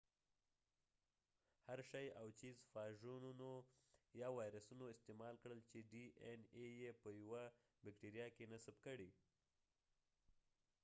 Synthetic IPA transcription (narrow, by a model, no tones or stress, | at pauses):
haɾʃɑjawt͡ʃizfɑʒununojɑwɑjɾasunoɪst̪emɑlkɽəlt͡ʃeɖienejepəjawa | bɪkʈiɾijɑkenasabkəɽi